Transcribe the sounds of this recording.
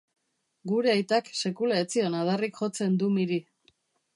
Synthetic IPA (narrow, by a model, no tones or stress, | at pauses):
ɡuɾe̞ajt̪akse̞kulaet͡sionað̞arikʝo̞t͡se̞nd̪umiɾi